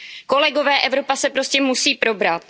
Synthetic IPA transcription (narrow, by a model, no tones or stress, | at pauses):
ko̞lɛɡo̞vɛːʔɛvɾo̞pasɛpɾo̞scɛmusiːpɾo̞bɾat̪̚